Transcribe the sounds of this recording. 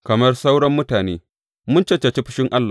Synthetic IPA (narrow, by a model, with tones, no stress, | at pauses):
kɐ˨mɐ˦rsa˦wɽɔ˦mːʊ˦taː˨neː˦ | mʊ˦nt͡ʃɐ˦t͡ʃːɐ˨t͡ʃe˦ɸɪ̥˦ʃɪ˦ŋʔa˦lːa˨